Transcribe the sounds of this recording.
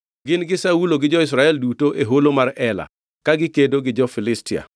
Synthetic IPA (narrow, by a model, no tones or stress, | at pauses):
ɡɪnɡɪsauloɡɪd͡ʒɔɪs̬ɾaɛldutoʔeɦolomarɛla̰ | kaɡɪkedoɡɪd͡ʒɔfɪlɪstɪa̰